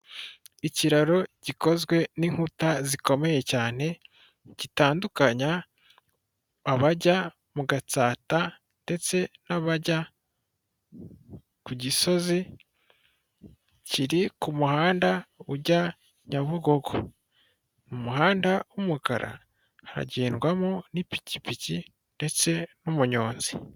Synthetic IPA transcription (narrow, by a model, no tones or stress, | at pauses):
iciɾaɾo̞ɟ̥iko̞zɡwe̞niŋ̥hutaziko̞me̞je̞caːn̥e̞ | ɟ̥itaːndukaɲa | βaɟa | muɡat͡saːta | nde̞t͡se̞naβaɟa | kuɟiso̞zi | ciɾikumuhaːndauɟa | ɲaβuɡo̞ɡo | numuɦaːndaumuka̰ɾa̰ | haɾa̰ɟeːnɡwamonipi̥cipici | nde̞t͡se̞numuɲo̞ːnzi